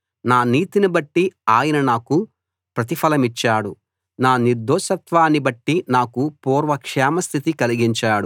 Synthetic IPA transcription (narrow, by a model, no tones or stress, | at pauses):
naːniːt̪inibɐʈːiaːjɐnɐnaːku | pɾɐt̪ipʰɐlɐmit͡ʃːaːɽu | naːniɾd̪ɔːʃɐt̪ʋaːnibɐʈːinaːkupɔːɾʋɐkʂɛːmɐst̪ʰit̪ikɐliɡiɲt͡ʃaːɽu